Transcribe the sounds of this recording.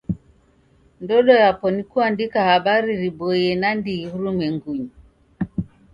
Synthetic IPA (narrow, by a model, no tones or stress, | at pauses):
ndɔɗɔjapɔnikuandikahaɓaɾiɾiɓɔjɛnandihuɾumɛŋɡuɲi